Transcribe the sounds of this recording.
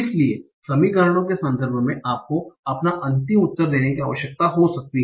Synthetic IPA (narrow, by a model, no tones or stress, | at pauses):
ɪslie | sɐmiɡaːɾɽ̃õkesɐ̃nd̪ʱəɾbʱmẽʔaːp̚koɐpnaʔɐ̃nt̪ɪmʊt̪ːəɾd̪eːnekiaːʋəʃjək̚t̪aɦosɐk̚t̪iɦ